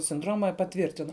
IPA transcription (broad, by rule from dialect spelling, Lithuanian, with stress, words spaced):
sʲɪnˈdroːmɐ pɐˈtʲʋʲiːrʲtʲɪnoː